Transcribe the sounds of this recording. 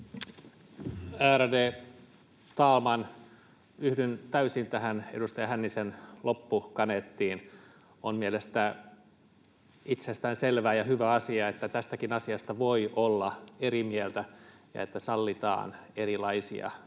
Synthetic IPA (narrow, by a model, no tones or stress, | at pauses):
æːɾædeː | t̪ɑːlmɑn | yhdynt̪æysint̪æhænḛust̪ɑjɑhænːisenlʔopːukɑnet̪ːiːn | onmielest̪æ | it̪sest̪æːnselʋæːjɑhyʋæɑsiɑet̪ːæt̪æst̪ækinɑsiɑst̪ɑʋoiʔolːɑeɾimielt̪æjɑ̰et̪ːæsɑlːit̪ɑ̰ːneɾilɑisḭɑ̰